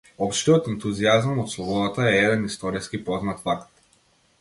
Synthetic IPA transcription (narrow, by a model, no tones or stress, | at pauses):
ɔpʃt̪iɔt̪ɛnt̪uziazamot̪slˠɔbɔd̪at̪aɛɛd̪ɛnist̪ɔɾiskipɔznat̪fakt̪